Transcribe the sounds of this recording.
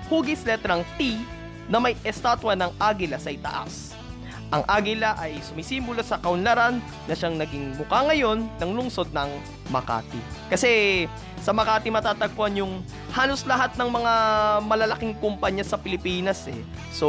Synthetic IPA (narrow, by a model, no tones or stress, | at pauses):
huːɡɪslɛt̪ɾɐŋt̪i | nɐmɐjʔɛst̪aːt̪wɐnɐŋʔaːɡɪlɐsɐʔɪt̪ɐ̰ʔa̰s | ʔɐŋʔaːɡɪlɐʔɐjsʊmisimbʊlosɐkɐʊnlɐɾanːɐʃaŋnɐɡɪŋmʊkaŋɐjo̞nːɐŋlʊŋso̞d̪̚nɐŋ | mɐka̰ːt̪ɪ̰kɐsɛ | sɐmɐkaːt̪ɪmɐt̪aːt̪ɐɡ̚poɐnjʊŋ | haːlo̞slɐɦat̪̚nɐŋmɐŋamɐlɐlɐkɪŋkʊmpaɲɐsɐpɪlɪpiːnɐsɛ̰ | so